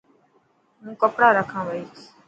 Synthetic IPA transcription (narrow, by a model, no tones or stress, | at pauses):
mũːkəpɽaːɾəkʰãːʋəiːt͡ʃʰ